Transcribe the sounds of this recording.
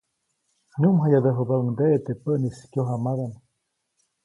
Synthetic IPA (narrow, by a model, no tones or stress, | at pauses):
ɲumɦajaðəɦəbauŋd̪eʔet̪epəʔniskjoɦamaðan